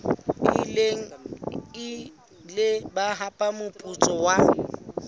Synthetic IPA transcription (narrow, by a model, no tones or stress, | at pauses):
ɪleŋ̩ɪ | lɪbaɦapʼamʊpʼut͡sʼɔwa